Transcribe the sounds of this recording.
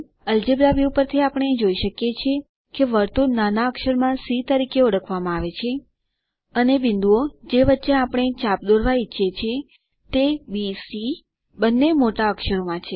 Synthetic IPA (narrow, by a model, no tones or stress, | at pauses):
əld͡ʒebɾaʋiupəɾt̪ʰiapəɽ̃ed͡ʒoiʃəkjet͡ʃʰe | keʋəɾt̪unanaəkʃəɾmãsit̪əɾikeɔɽəkʰʋamãaʋet͡ʃʰe | ənebɪnd̪uod͡ʒeʋətːʃeapəɽ̃et͡ʃapd̪oɾʋaitːʃet͡ʃʰe | t̪ebisi | bənːemoʈaəkʃəɾomãt͡ʃʰe